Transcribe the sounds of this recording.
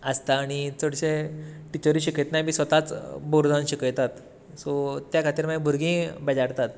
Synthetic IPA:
əst̪aːɽ̃it͡səɽɕeʈit͡ɕəɾiːɕiket̪nabʱiːsʋət̪at͡sboɾd͡zãnɕikəjt̪at̪ | sɔt̪jakʰat̪iːɾmabʱuɾɡĩbɛd͡ʑaɾt̪at̪̚

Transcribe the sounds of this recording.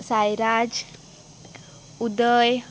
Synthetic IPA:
sajɾad͡ʒ | ud̪əj

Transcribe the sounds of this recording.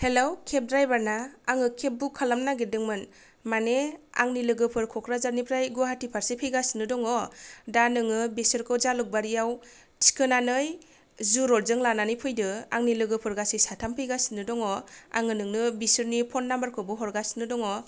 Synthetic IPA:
helawkʰep̚dɾajbaɾnaːŋɯkʰep̚bukʰalamnaɡedɯŋmɯn | manea̰ŋnilɯɡɯpʰɯɾkʰɔkʰɾazaɾnipʰɾajɡuaɦatipʰaɾsepʰɯjɡasinɯdɔŋɔdanɯŋɯbesɯɾkʰɯwzalɯk̚baɾijaw | si̥kʰɯnanɯj | zuɾɔɾzɯŋlananɯjpʰɯjdɯaŋnilɯɡɯpʰɯɾɡasesatʰampʰɯjɡasinɯdɔŋɔa̰ŋɯnɯŋnɯbisɯɾnipʰɔnːambaɾkʰɯbɯɦɔɾɡasinɯdɔŋɔ

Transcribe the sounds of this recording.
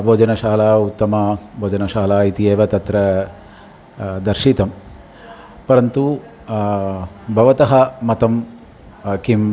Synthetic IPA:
bʱoːd͡ʒɐnɐʃaːlaːut̪ːɐmaːbʱoːd͡ʒɐnɐʃaːlaːit̪ieːʋɐt̪ɐt̪ɾɐ | d̪ɐɾʃit̪ɐm | pɐɾɐnt̪u | bʱɐʋɐt̪ɐɦɐmɐt̪ɐm | kim

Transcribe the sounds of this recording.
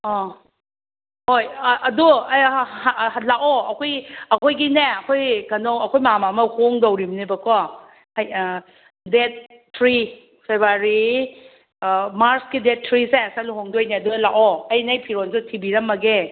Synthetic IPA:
ɔ | hojʔɐdu | laʔɔʔɐkʰojɐkʰojɡineɐkʰojɡɐnowɐkʰojmamamɐhoŋdowɾimnebɐkɔ | aj | det̚ | tːɾi | pʰebaɾi | maɾskidet̚ʰːɾisesaluɦoŋdojneɐdulaʔɔɐjnajpʰiɾonsutʰibiɾɐmːɐɡe

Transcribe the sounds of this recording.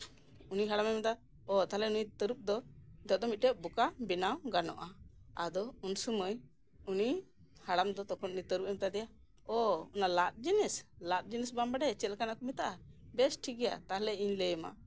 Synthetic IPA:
uniɦaɽamamɛt̪a | ɔt̪aɦlɛunijt̪əɾup̚d̪ɔd̪ɔʔ̚d̪ɔmit̪̚ʈɛʔ̚bukabinawɡanɔ̰ʔaad̪ɔunsuməj | uni | haɽamd̪ɔt̪ɔkʰɔnʔunit̪əɾup̚ɛmit̪ad̪ɛja | ɔunalat̪̚d͡ʒinislat̪̚d͡ʒinisbambaɖɛt͡ʃɛlkanaʔkɔmit̪aʔabɛsʈʰiɡɛja̰t̪aɦlɛiɲləjma̰

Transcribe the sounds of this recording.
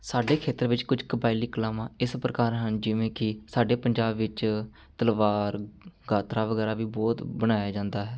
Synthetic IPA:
saːɖeːkʰeːt̪əɾʋɪt͡ʃkʊd͡ʒkəbaːɪliːkəlaːmãːɪspɾəkaːɾɦənd͡ʒɪʋẽːkɪsaːɖeːpəɲd͡ʒaːbʋɪt͡ʃ | t̪əlʋaːɾɡaːt̪ɾaːʋəɡɛːɾaːʋiːbɔːt̪bəɽ̃aːjaːd͡ʒãːnd̪aːɦɛː

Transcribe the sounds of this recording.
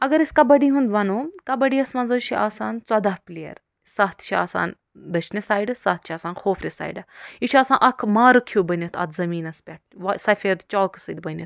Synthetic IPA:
ɐɡɐɾiskɐbɐɽiɦund̪ʋɐnoːkɐbɐɽiɐsmɐnzɐʃʰiaːsaːnt͡sɐd̪aɦpliɐ̰ɾ | saɦt̪ʰt͡ʃʰia̰ːsa̰ːn | d̪ɐt͡ʃʰnisaːjɖɨsɐːt̪ʰt͡ʃʰiaːsaːnxʰoːfɾʲisa̰ːjɖɨit͡ʃʰuaːsaːnʔɐkʰmaːɾɨkʰjuːbɐnit̪ʰɐ̰t̪ʰzɐmiːnɐspʲɐʈ̚ʰʋɐsɐfʲed̪t͡ʃɔːkɨ̥sɨd̪ʲbɐnʲit̪

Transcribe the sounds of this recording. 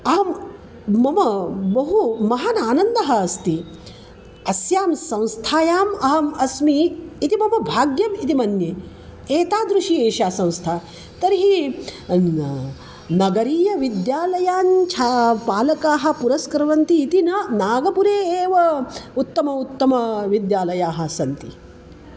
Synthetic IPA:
ɐɦɐm | mɐmɐbɐɦumɐɦɐnaːnɐnd̪ɐɦɐ̆ːst̪i | ɐsjaːmsɐ̃w̃st̪ʰaːjaːmɐɦɐmɐsmiːt̪imɐmɐbʱaːɡjɐmit̪imɐnjeː | eːt̪aːd̪ɾuʃieːʃaːsɐ̃w̃st̪ʰaː | t̪ɐɾiɦi | nɐɡɐɾiːjɐʋid̪jaːlɐjaːnt͡ʃʰaːpaːlɐkaːɦɐ̆puɾɐskɾɐʋɐnt̪iːt̪inɐnaːɡɐpuɾeːeːʋɐut̪ːɐmɐut̪ːɐmɐʋid̪jaːlɐjaːɦɐ̆sɐnt̪i

